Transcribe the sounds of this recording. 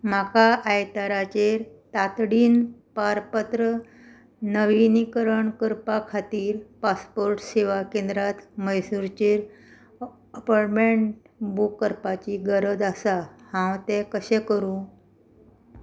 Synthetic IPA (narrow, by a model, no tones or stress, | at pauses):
m̤akaʔajt̪aɾat͡ɕeɾt̪at̪ɽiːnpaɾpət̪ɾə | nəʋinikəɾəɳkəɾpakʰat̪iːɾpaspoɾʈseʋakẽnd̪ɾat̪məjsuɾt͡ɕeɾ | əpaʈmeɳʈ | bukːəɾpat͡ɕiːɡəɾəd͡zəsahãwt̪ɛkəɕɛ̃kəɾũ